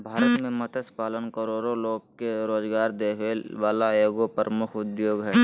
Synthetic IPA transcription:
bʱaːɾət̪mẽmət̪ʰəspaːlənkəɾoːɾoloːɡ̚keɾoːzɡaːɾd̪eɦeʋaːlajoːɡopəɾəmʊkʰʊd̪joːɡɦɛː

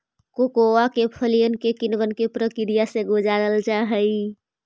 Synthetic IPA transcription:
kokoakepʰəlijənkekinʋənkepɾəkiɾijaseɡod͡ʒaɾəld͡ʒaɦəj

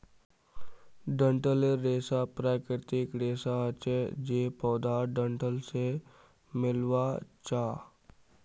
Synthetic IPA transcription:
ɖə̃ɳʈəleɾeːsapɾaːkɾɪt̪ɪkɾeːsaət͡ʃed͡ʒeːpɔːd̪aːɾɖə̃ɳʈəlse | mɪlwat͡ʃaː

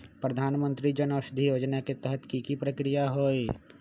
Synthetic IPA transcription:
pɾɐd̪ʱaːnmə̃nt̪ɾid͡ʒənoːʃd̪ʱijoːd͡ʒnaket̪əɦət̪kikipɾəkɾijaɦoːe

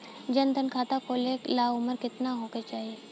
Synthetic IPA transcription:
d͡ʒənt̪ənkʰaːt̪akoːleklaːʊməɾkɪt̪naɦoːket͡ʃaːɦie

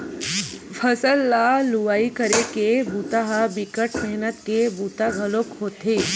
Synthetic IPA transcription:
fʰəsəlːaluʋaikəɾekebʱut̪aɦabikəʈmɛɦnət̪kebut̪aɡʱəlokɦot̪e

